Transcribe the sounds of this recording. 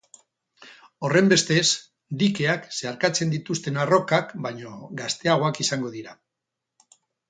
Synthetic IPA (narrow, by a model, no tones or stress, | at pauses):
o̞re̞mbe̞st̪e̞s | d̪ike̞akse̞aɾkat͡se̞nd̪it̪ust̪e̞naro̞kakbajɲo̞ɡast̪e̞aɣ̞o̞akisaŋɡo̞ðiɾa